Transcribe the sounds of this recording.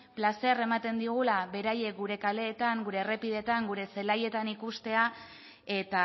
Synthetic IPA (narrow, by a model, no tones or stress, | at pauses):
plase̞re̞mat̪e̞nd̪iɣ̞ulaβe̞ɾaje̞k̚ɡuɾe̞kale̞ːt̪aŋɡuɾe̞re̞pið̞e̞t̪aŋɡuɾe̞se̞laje̞t̪anikust̪e̞a | e̞t̪a